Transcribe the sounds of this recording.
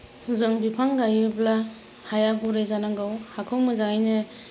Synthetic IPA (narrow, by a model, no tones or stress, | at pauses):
zɯŋbipʰaŋɡajɯbla | hajaɡuɾezanaŋɡɯwhakʰɯwmɯzaŋajnɯ